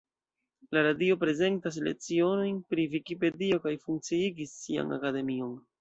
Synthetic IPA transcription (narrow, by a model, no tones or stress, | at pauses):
laɾadio̞pɾe̞ze̞ntas̬le̞̰t͡sio̞no̞jnpɾivikipe̞dio̞kajfuŋk̚t͡siiɡisːia̰na̰kade̞mio̞n